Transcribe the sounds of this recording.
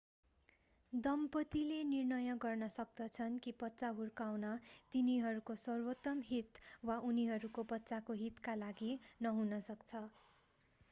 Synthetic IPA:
d̪ʌmpʌt̪ilenirnʌjʌɡʌrnʌsʌk̚d̪ʌt͡sʰʌnkibʌtːt͡saɦurkawnʌt̪iniɦʌɾukosʌrwot̪ʌmɦit̪waʔuniɦʌɾukobʌtːsakoɦit̪kalaɡinʌɦunʌsʌkt͡sʰʌ

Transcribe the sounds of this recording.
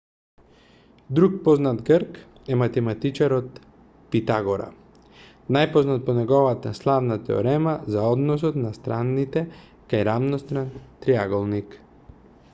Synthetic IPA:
d̪ɾuk̚pɔznat̪ɡəɾk | ɛmat̪ɛmat̪it͡ʃaɾɔt̪ | pit̪aɡɔɾa̰ | najpɔznat̪̚pɔnɛɡɔvat̪aslˠavnat̪ɛ̰ɔ̰ɾɛmazaɔd̪nɔs̬ɔt̪nast̪ɾanːit̪ɛ | kajɾavnɔst̪ɾant̪ɾiaɡɔlˠnik

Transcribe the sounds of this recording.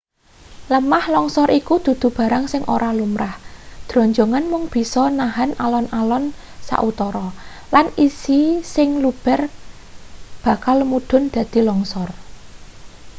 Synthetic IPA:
ləmahlɔŋsɔɾʔikud̪̥ṳd̪̥ṳb̥a̤ɾaŋsɪŋʔo̰ɾalumɾahd̪̥ɾɔ̤ɲd͡ʒɔŋanmʊŋb̥i̤sɔnaɦanalɔnʔalɔn | sa̰ʔut̪ɔɾɔ | lanisisɪŋlub̥ɛ̤r | b̥a̤kalmuɖ̪̥ʊ̤nd̪̥ä̤d̪̥i̤lɔŋsɔr

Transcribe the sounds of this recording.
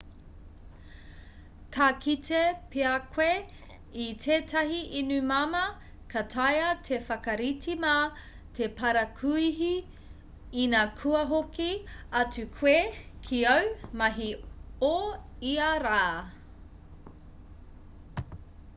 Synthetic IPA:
kʰakʰitʰepʰeakʰwe | itʰeːtʰɐɦiʔinʉmɐmɐ | kʰɐtʰɐjɐtʰefɐkɐɾitima | tʰepʰɐɾɐkʰuiɦi | inakʰuɐɦokiɐtʉkʰwekʰiɐwmɐɦioiɐɾaː

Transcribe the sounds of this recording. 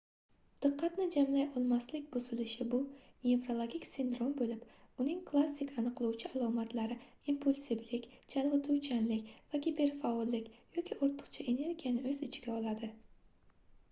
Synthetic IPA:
d̪̥ɨqʰːɑt̪nɪd͡ʒamlajʔɒlˠmaslɪkʲbʊz̥ɪlɪʃɪbʊne̞vɾo̞lˠoɡʲikʲsɪnd̪ɾo̞mbolɪpʊnɪŋkʰlˠasːɪkʲʰanɨqlˠuwt͡ʃʰɪalˠɒmat̪laɾɪ | impʰulʲsɪblɪkʲd͡ʒʰalˠʁɨt̪ʰʊwt͡ʃʰanlɪkʲvakʲibe̞ɾfaolːɪkʲjɒkʲiʔoɾt̪ʰʊ̥qt͡ʃʰaʔe̞ne̞ɾɡʲijanɪɵzɪt͡ʃʰɪɡʲaɒlˠad̪ɪ

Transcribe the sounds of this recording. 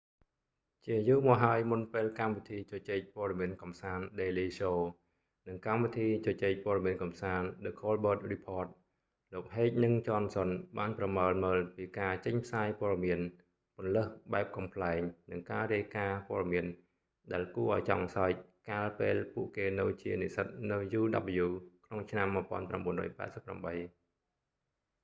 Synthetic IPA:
t͡ɕiəʔajuːmɔɦaəjmunpeːlkamʋit̪ʰiːt͡ɕɔt͡ɕeːc̚poəɗɑmiənkɑmsaːnɗeːliːsoː | nɨŋkamʋit̪ʰiːt͡ɕɔt͡ɕeːc̚pɔəɾɑmiənkɑmsaːnɗɨkʰːoːlɓəːt̪̚ripʰoət̪̚ | loːk̚ɦeːc̚nɨŋt͡ɕoːnsonɓaːnprɑməəlməːlpiːkaːt͡ɕəɲpʰsaːjpoəɗɑmiən | pŏənləhɓaɛp̚kɑmpʰlaɛŋnɨŋkaːɾiəjkaːpoəɗɑmiən | ɗaɛlkuəʔaɔjt͡ɕɑ̰ŋsaɛc̚kaːlpeːlpuəʔkeːnɨwt͡ɕiənisət̪̚nɨwjuːɗɑ̰p̚ʔjuːkʰnoŋt͡ɕʰnamːɨəpŏənpramɓuənrɔ̰ːjpa̰ɛsəpːra̰mɓəj

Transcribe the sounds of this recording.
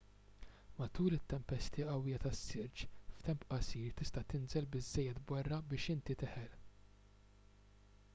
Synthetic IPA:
mɐt̪uːlɪt̪ːɛmpɛst̪iɐwːɪjɐt̪ɐsːɪɾt͡ʃft̪ɛmpʔɐsiːɾt̪ɪst̪ɐt̪ɪnzɛlbɪzːɛjːɛt̪bɐrːɐbɪːʃɪnt̪it̪ɪħɛl

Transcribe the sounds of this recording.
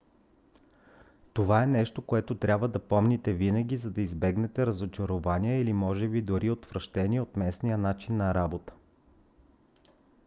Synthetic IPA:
t̪ovaɛnɛʃt̪okoɛt̪ot̪ɾʲʔabvəd̪ɐpɔmnit̪ɛvinəɡʲizɐd̪ɐizbɛɡnɛt̪ɛɾəzot͡ʃɐɾovaniəilimɔʒɛbid̪ʊɾiot̪vɾəʃt̪ɛniɛot̪mɛsnijənat͡ʃinːɐɾabot̪ə̥

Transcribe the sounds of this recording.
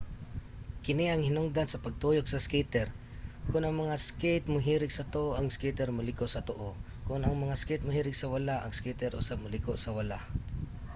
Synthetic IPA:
kɪnɪɐŋhɪnʊŋd̪ansɐpɐɡ̚t̪ujok̚sɐskit̪ɛɾ | kʊnʔɐaŋmɐŋasket̪̚mʊɦiːɾɪɡsɐt̪oʔoʔɐŋskit̪ɛɾmʊlɪkoʔsɐt̪oʔo | kʊnɐŋmɐŋaskɛjt̪̚mʊhiːɾɪɡsɐwɐlaʔɐ̰ŋskit̪ɛɾʔʊ̰sab̚mʊlɪkoʔsɐwɐla

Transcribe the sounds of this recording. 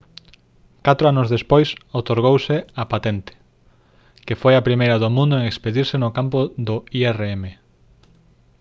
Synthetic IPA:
kat̪ɾoanʊzðespojsot̪oɾɣ̞owsɪapat̪ɛnt̪ɪ̥ | kefojapɾimejɾɐðʊmũnd̪oeŋespeðiɾsɪnʊkampʊðʊiɛreeme

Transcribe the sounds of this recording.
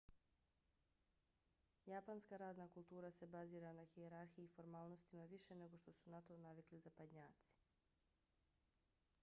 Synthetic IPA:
japanskaɾaːd̪nakulˠt̪uːɾase̞baziːɾanaxieɾaɾxijiːfo̞ɾmaːlˠno̞st̪imaʋiʃene̞ɡo̞ʃt̪o̞sunat̪o̞naʋiklizapad̪ɲaːt̪si̥

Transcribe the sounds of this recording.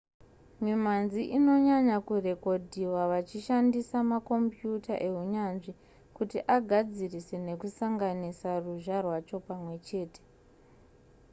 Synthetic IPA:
mimanziʔino̞ɲaɲakure̞ko̞dʱiwaʋat͡ʃiʃandisamako̞mpjuta̰ʔe̞ɦuɲanʐi | kutiʔaɡʱad͡zirise̞ne̞kusaŋɡanisaruʒarwat͡ʃo̞pamwe̞t͡ʃe̞ːte̥

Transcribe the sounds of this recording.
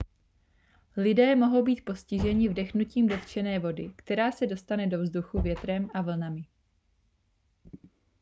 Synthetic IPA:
lɪdɛːmo̞ɦo̞wbiːt̪̚po̞scɪʒɛɲɪvdɛxnuciːmdo̞t̪t͡ʃɛnɛːvo̞dɪkt̪ɛɾaːsɛdo̞st̪anɛdo̞vzduxuvjɛt̪ɾɛmʔavl̩namɪ

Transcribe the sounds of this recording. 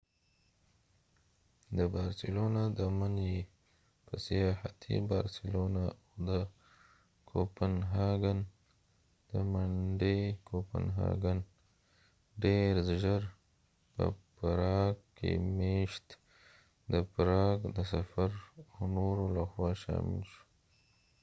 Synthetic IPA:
d̪əbɑɾsɪlonad̪əmanje | pəsejɑhat̪ʰḭbɑɾsɪlonaawd̪ə | kʰopanɦɑɡan | d̪̥əmaɳɖekʰopa̰nɦɑ̰ɡan | ɖeɾʒəɾ | pə̰paɾɑɡkḛmeʃt̪ | d̪əpɾɑɡd̪əsafaɾawnoɾolaxwɑʃɑ̰mɪ̰lʃu̥

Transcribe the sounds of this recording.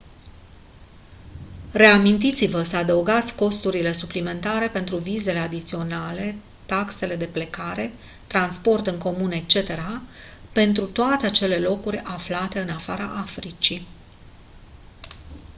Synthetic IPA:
re̞amint̪it̪sivəsəad̪əuɡat̪sʲko̞st̪uɾile̞suplime̞nt̪aɾe̞pe̞nt̪ɾuvize̞le̞ad̪it̪sio̞nale̞ | t̪akse̞le̞d̪e̞ple̞kaɾe̞ | t̪ɾanspo̞rt̪ɨŋko̞mune̞k̚t͡ʃe̞t̪e̞ɾape̞nt̪ɾut̪oat̪e̞at͡ʃe̞le̞lo̞kurʲaflat̪e̞ɨnafaɾa̰ʔafɾit͡ʃi

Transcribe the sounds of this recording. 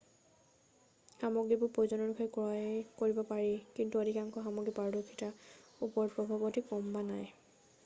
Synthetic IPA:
xamɔɡɹipʊɹpojzɔnɔnukʰɔjkɹɔjkoɹibɔpaɹikintuodʱikaŋkʰɔxamɔɡɹipaɹdokʰːitaupɔɹpɹɔbʱabɔtikɔmbanaj

